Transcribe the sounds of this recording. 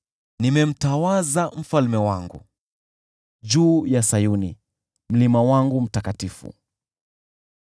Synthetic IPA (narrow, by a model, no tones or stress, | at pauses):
nimɛm̩tawazam̩falmɛwaŋɡṵ | d͡ʒuːjasajunḭ | m̩limawaŋɡum̩takatifṵ